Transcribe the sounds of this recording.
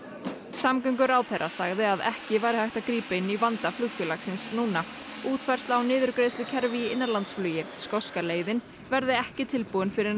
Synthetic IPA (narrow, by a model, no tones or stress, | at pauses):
samkœŋk̬ʏɾawθɛrːasaɣðɪaðɛ̰hcɪvaːjɾɪhajht̪akɾiːpaɪnːivant̪aflʏɣfjœlaksɪnsnuːna | uːt̪vajr̥t̪lawnɪːðʏɾkɾeːjslʏcʰɛɾviɪnːaɾlant̪sflœːjɪskɔwskaleːjðɪn | vɛɾðɪɛhcɪt̪ʰɪlpuʏnfɪɾɪɾ